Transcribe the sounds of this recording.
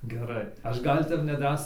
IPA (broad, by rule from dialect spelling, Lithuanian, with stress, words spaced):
ɡʲɛˈrɐɪ ɐʃ ˈɡɐlʲ ˈtʲɛp nʲɛˈdrɑːsʲɛɪ